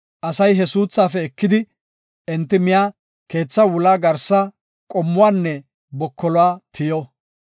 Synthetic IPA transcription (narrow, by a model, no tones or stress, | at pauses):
ʔɐsɐjɦɛsuːt͡sːaːfɛɛkːɪd̪ɪ | ɛnt̪ːɪmɪjaː | ke̞ːt͡sːɐwʊlaːɡɐɾsa | kʼɔmːʊwaːnːɛ | bɔkʰːɔlʊwaːt̪ʰɪjɔ